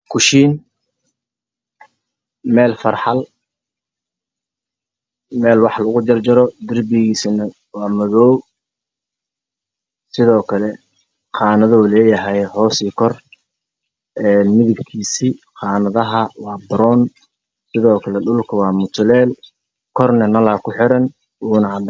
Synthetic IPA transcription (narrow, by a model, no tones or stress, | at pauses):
kʰʊʃiːn | mɛːlfɐrħɑl | mɛːlwɑħlɐɣʊd͡ʒɐrd͡ʒɐɾɔd̪ɪrbɪɣiːsɪnɐ | wɑːmɐðɔːw | sɪðɔːkʰɐlɛ | qɑːnɐðɔːlɛːjɐɦɛjɦɔːsiːkʰɔr | ɛːnmɪðɪbkʰiːsiːqɑːnɐðɐɦɐwɑːbɾɔːn | sɪðɔːkʰɐlɛɖʊlkʰɐwɑːmʊt̪ʰʊlɛːl | kʰɔrnɐnɐlaːkʰʊħɪɾɐn | uːnɐ